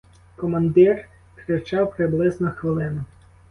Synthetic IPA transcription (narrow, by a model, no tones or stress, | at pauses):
kɔmɐnd̪ɪr | kɾɪt͡ʃɑwpɾɪblˠɪznɔxʋɪlˠɪnʊ